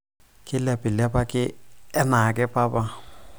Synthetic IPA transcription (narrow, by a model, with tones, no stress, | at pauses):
kʼɪ˦lɛ˨pʼɪ˨la˦pa˦kʼɪ˦ɛ˦na˨kʼɪ˦pʼa˦pa˦